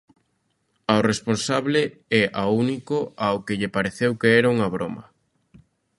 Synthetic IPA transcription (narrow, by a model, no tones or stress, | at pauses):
aoresponsaβleɛʔaunikoaokɪʎepaɾeθewkeɛɾauŋɐβɾomɐ̰